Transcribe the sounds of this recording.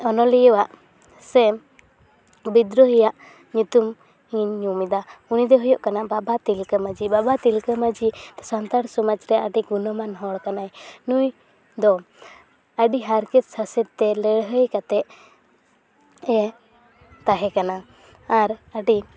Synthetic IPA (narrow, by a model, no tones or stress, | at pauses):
ɔnɔlijwaʔ | sɛ | bid̪ɾɔɦijaʔ | ɲut̪um | iɲːumid̪aunid̪ɛɦɔjɔʔkanababat̪ilkəmad͡ʒibabat̪ilkəmad͡ʒit̪ɛsant̪aɽsɔmad͡ʒɾɛəɖiɡunəmanɦɔɽkanajnuj | d̪ɔ | əɖiɦaɾkɛt̪sasɛd̪̚t̪ɛlɛɽɦəjkat̪ɛʔ | ɛ | t̪aɦɛkanaː | ɾəɖi